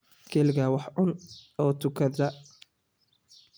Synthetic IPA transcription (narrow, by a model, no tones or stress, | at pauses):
kʰɛlɣɐwɑħʕʊnɔːt̪ʰʊkʰɐðɐ